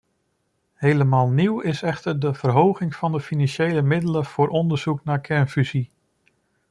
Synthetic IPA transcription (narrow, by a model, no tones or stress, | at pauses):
hejləmaːlˠniwɪsɛχtəɹdəv̥ərɦowχɪŋfɑndəfinɑnʃejləmɪdələv̥ʊːɾʔɔndəɹz̥uknaːkʰɛnfyzi